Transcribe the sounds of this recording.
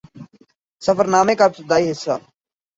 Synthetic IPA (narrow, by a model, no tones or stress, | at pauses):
səfəɾnaːmeːkaːpsəd̪aːiːɦɪsːa̰ː